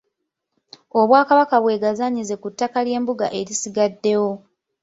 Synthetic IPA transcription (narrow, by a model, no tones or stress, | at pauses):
o̞βwaːkaβakaβwe̞ːɡazaɲize̞kutːakalje̞ːmbuɡa̰ʔe̞ɾisiɡadːe̞wo̞